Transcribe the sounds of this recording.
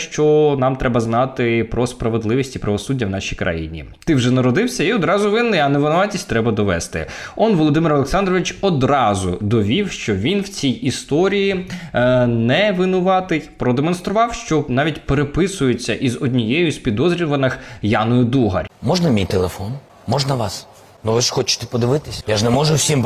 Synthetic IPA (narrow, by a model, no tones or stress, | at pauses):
ʃt͡ʃɔnɑmt̪ɾɛbɐznɑt̪ɪpɾɔspɾɐʋed̪lˠɪʋʲisʲtʲipɾɐʋɔsudʲːɐwnɑʃʲijkɾʔɐ̰jḭnʲḭ | t̪ɪwʒɛnɐɾɔd̪ɪwsʲɐiɔd̪ɾɑzʊʋɪnːɪjɐnɛʋɪnʊʋɑtʲisʲtʲt̪ɾɛbɐd̪ɔʋɛst̪ɪ̰ɔnʋɔlˠɔd̪ɪmɪɾɔlˠeksɑnd̪rɔʋɪt͡ʃɔd̪ɾɑzʊd̪ɔʋʲiwʃt͡ʃɔʋʲinwt͡sʲijist̪ɔɾʲiji | nɛʋɪnʊʋɑt̪ɪjpɾɔd̪emɔnst̪ɾʊʋɑwʃt͡ʃɔnɑʋʲitʲpeɾepɪsʊjɪt͡sʲːɐʔizɔdʲnʲijɛjʊsʲpʲid̪ɔzɾʲiʋɐnɪxjɑnɔjʊd̪uɦɐ̰rʲmɔʒnɐmʲijt̪elˠefɔn | mɔʒnɐʋɑs | nuʋɪʂxɔt͡ʃɪ̥t̪ɛ̥pɔd̪ɪʋɪt̪ɪsʲjaʒnɛmɔʒʊwsʲim